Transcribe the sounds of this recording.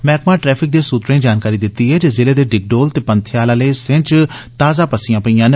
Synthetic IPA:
mɛːkmãːʈɾɛːpʰɪk̚d̪eːsuːt̪ɾẽːd͡ʒaːnkaːɾiːd̪ɪt̪ːiːɦɛːd͡ʒeːzɪleːd̪eːɖɪɡ̚ɖoːlt̪eːpənt̪ʰɪjaːlaːləːsɪ̃t͡ʃ | t̪aːzaːpəsɪjãːpəiːãːn

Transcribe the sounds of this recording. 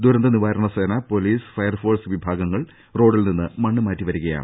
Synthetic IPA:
d̪uɾɐnd̪ɐniʋaːɾɐɳɐseːnɐpo̞liːsɨ̥fɐjɐrfo̞ːrsʋibʱaːɡɐŋːɐɭ | ro̞ːɽilninːɨmɐɳːɨmaːtːiʋɐɾuɣɐja̰ːɳ

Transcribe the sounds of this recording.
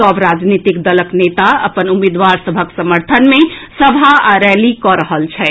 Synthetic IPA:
ɔbɾad͡ʒnit̪ikd̪ələknet̪aə̰pənumed̪ʋaɾsəbʱəksəməɾt̪ʰənmẽsəbʱaaɾɛlikɔɾəɦəlt͡ʃʰɛ

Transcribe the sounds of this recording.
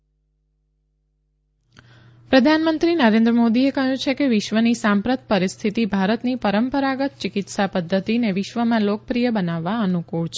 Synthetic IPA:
pɾəd̪ʱanmənt̪ɾinəɾẽnd̪ɾəmod̪iekəɦjũt͡ʃʰekeʋɪʃʋənisãmpɾət̪̚pəɾist̪ʰit̪ibʱaɾət̪nipəɾəmpəɾaɡət̪̚t͡ʃikɪt̪sapəd̪ʱːət̪ineʋɪʃʋəmãlokəpɾijəbənaʋːaənukuɭt͡ʃʰ

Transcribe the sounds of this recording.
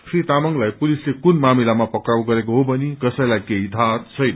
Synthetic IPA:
kʰrit̪amʌŋɡlajpulislekunmamilamapʌkɾawɡʌɾek̬oɦobʌnikʌsʌ̃jlajkeɦid̪ʱat̪t͡sʰʌjnʌ

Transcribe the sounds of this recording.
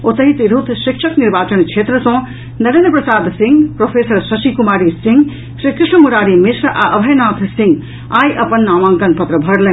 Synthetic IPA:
ot̪əɦit̪iɾut̪ʃikʂʰɐkniɾbaːt͡ʃɐnkʰeːt̪ɾəsõ | nɐɾɐnpɾɐsaːd̪siŋɡpɾoːpʰeːsɐɾsɐsikumaːɾisĩŋɡ | ʃɾikɾɪʂnəmuɾaːɾimɪsɾʔaʔɐbʱɐjnaːt̪ʰsĩŋɡ | aːjʔɐpɐnːaːmãːŋkɐnpɐt̪ɾəbʱɐɽlen

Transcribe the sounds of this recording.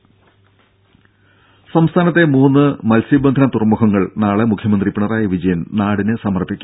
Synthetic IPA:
sɐmst̪ʰaːnɐt̪ːe̞muːnːɨmɐlsibɐnd̪ʱʰɐnɐt̪urmukɐŋːɐɭnaːɭemukʰjɐmɐnd̪ripːiɳɐraːjɐʋid͡ʑɐjɐnnaːɽinɨsɐmɐrbikʲːu

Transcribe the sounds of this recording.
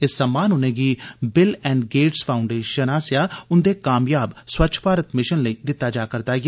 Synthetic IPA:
ɪsːəmːaːnʊnẽːɡiːbɪlɛ̃ːɳɖɡeːʈspʰaːʊɳɖeːʃənaːsjaːʊnd̪eːkaːmjaːbswətːt͡ʃʰpaːɾət̪mɪʃənləiːd̪ɪt̪ːaːd͡ʒaːkəɾt̪aːje

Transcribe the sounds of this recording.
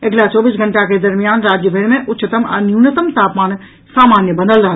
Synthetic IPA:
ɐɡlat͡ʃɔːbiːs̬ɡʱɐ̃ɳʈaked̪ɐɾmijaːnɾaːd͡ʒjəbʱenmẽʔʊt̪ːʃət̪əmɐ̰njuːnət̪əmt̪aːpmaːn | saːmaːnjəbɐd̪əlɾaɦ

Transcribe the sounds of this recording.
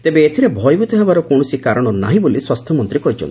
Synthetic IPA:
it̪ebeːt̪ʰiɾebʱɔjbut̪ɔɦebaɾɔkowɽ̃ɔsikaɾɔɽ̃ɔna̰ɦĩboliswast̪ʰjɔmɔnt̪ɾikɔɦit͡ʃʰɔ̰nt̪i

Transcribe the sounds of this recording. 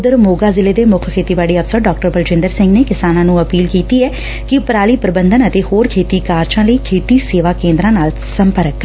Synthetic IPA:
d̪əɾmoːɡaːzɪleːd̪eːmʊkʰkʰeːt̪iːbaːɽiːəpʰsəɖɔːk̚ʈəɾbəld͡ʒɪ̃nd̪əɾsɪ̃ŋɡneːkɪsaːnãːnũːəpiːlkiːt̪iːɛː | kɪpɾaːliːpɾɪbənd̪ənət̪eːhoːɾkʰeːt̪iːkaːɾt͡ʃãːləiːkʰeːt̪iːseːʋaːkẽːnd̪ɾãːnaːl | səmpəɾəkː

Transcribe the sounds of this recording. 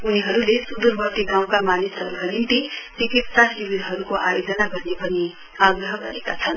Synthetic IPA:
uniɦʌɾulesud̪urbʌt̪ːiɡaw̃kamanisɦʌɾuɦʌɾinʈ̪it͡sikit̪sasibid̪ʱɦʌɾukoʔajod͡zʌnaɡʌrnepʌni | aɡrʌɦʌɡʌɾekat͡sʰʌn

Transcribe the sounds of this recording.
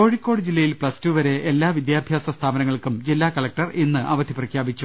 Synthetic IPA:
ko̞ːɻikːo̞ːɽɨd͡ʑilːɐjilpɭɐstuːʋɐɾe̞elːaːʋid̪jaːbʱjaːsɐst̪ʰaːbɐnɐŋːɐɭkumd͡ʑilːaːkɐɭlɐk̚ʈɐrenːɨʔɐʋɐd̪ʱiprɐkʰjaːbit͡ɕːu

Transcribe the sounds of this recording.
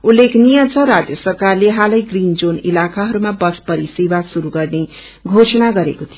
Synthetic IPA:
ulːekʰnijʌt͡sʰʌrad͡zjʌsʌrkarleɦalʌjɡrind͡zonilakaɦʌɾumabʌspʌɾisebasuɾuɡʌrne | ɡʱosʌnaɡʌɾekot̪ʰi

